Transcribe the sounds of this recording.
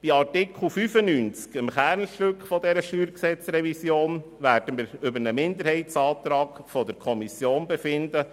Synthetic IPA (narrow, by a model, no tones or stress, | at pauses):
b̥iɑrtɪkʰχl̩fyfənyːnt͡skəmχæɾnʃtøkfɔdɛɾəʃtyːɾksɛt͡sɾɛvisjoːn | ʋæːɾd̥əməɾʏbəɾnəmɪnd̪əɾhɛɪtsɑːt̪ɾɑːɡfɔd̪əɾkʰɔmisjoːnbɛfɪnd̪ə